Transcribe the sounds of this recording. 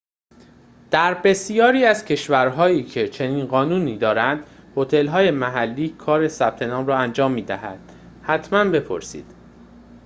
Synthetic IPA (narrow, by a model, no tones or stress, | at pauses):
d̪̥æɾbe̞sijɒːɾiːæzcʰe̞ʃvæɾɦɒːiːcʰe̞t͡ʃʰe̞niːnɢɒːnuːniːd̪ɒːɾænd̪ho̞t̪ʰe̞lɦɒːje̞mæɦælːiːkʰɒːɾe̞sæb̥̚t̪ʰe̞nɒːmɾɒːænd͡ʒɒːmːiːd̪æɦæd̪̥ | hæt̪ʰmænbe̞pʰo̞̰ɾsḭːd̪̥